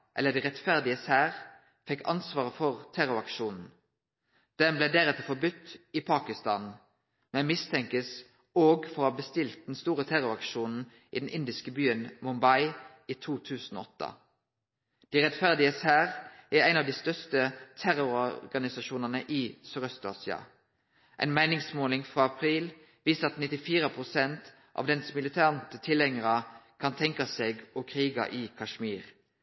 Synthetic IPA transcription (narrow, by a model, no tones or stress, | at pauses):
ʔɛlːəd̪iːʁɛt̪fæʁd̪ɪəsæːʁ | fɛkːɑ̰nsʋɑːʁəfɔʁt̪ʰæɾʊɾɑkʃuːnn̩ | d̪̥ɛmbleɪd̪eːɾɛt̪əfɔbʏt̪ːɪpʰɑːkɪst̪ɑ̰ːn | mɛnmɪst̪ʰɛŋkəs | oːɡfɔɾhɑːbəst̪ɪlt̪̚d̪ɛnst̪uːʁət̪ʰæɾʊɾɑkʃuːnn̩ | ʔḭːd̪ɛnʔɪnd̪ɪskəbyːənmʊmbɑɪ | iːt̪ʰuːt̪ʰʉːsn̩ɔ̰ːɔt̪ːə̰ | d̪̥iːʁɛt̪fæʁd̪ɪəshæːʁʔæʁæɪnɑʋd̪iːst̪œʁst̪ət̪ʰæʁʊʁɔɡɑnɪsɑʃuːnənəʔiːsœʁœst̪ɑ̰ːsɪɑ̰ | ʔæ̰ɪnmæɪnɪŋsmoːlɪŋfʁɑːɑpʰʁiːl | ʋiːsəɑt̪nɪt̪ɪfiːʁəpʰʁʊsɛnt̪ | ʔɑ̰ːʋd̪ɛnsmɪlɪt̪ʰæːʁnt̪ət̪ʰɪlɛŋəʁɑkʰɑnt̪ʰɛŋkɑseːɡɔkʰʁiːɡɑ̰ʔiːkʰɑʃmiːʁ